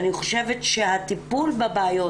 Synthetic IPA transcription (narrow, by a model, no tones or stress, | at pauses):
niχo̞ʃe̞vetʃehat̪ipulbabaːjo